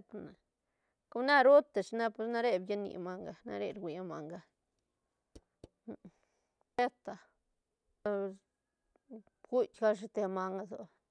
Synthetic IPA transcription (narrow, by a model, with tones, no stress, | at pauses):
t̪na˨ | ku˧na˦ɾo˦t̪a˨t͡ʃna˦pe˧sna˦ɾe˧bja˦nḭ˧˨ma˧ŋɡa˧na̰˧ɾḛ˧ɾɡʷi˨a˦ma˧ŋɡa˧ | pe˦t̪a˨ | ɡu˦tʲɡa˦ʂ̬e˧t̪e˧ma˧ŋɡa˧zo̰˨